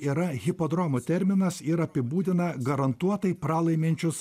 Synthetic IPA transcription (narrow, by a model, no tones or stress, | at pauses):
iɾɐɣʲɪpoːd̪ɾɔmut̪ʲɛɾʲmʲɪnɐsɪɾɐpʲɪbuːd̪ʲɪnɐɡɐɾɐnt̪uɔt̪ɐɪpɾɑːlˠɐɪmʲɛnʲt͡ʃʲʊs